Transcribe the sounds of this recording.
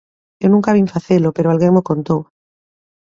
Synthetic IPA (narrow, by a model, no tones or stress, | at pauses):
ewnũŋkaβ̞iɱfaθelopeɾoalɣeŋmokont̪ow